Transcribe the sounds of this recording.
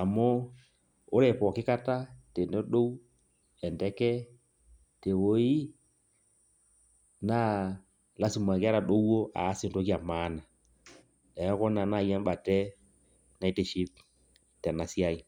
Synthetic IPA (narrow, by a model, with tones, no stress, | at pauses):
a˨mɔ˦ | ʊ˦ɾɛ˨pɔ˨kɪ˦ka˦ta˦te˨nɛ˦ɗo˦w | ɛ˨ndɛ˦kɛ˦ | te˨wo˦ji˦ | na˦ | la˦su˨ma˨kɪ˦a˦ɾa˨ɗo˦wo˦ʔa̰˨˦sɪ˦nto˦ki˦a˨ma˦na˨ | ɛ˨jɔ˦kɔ˦na˨na˦˨jɛ˦m˦ɓa˨tɛ˦ | na˦i˦tɛ˨ʃi˦p | tɛ˨na˨si˦a˦i˨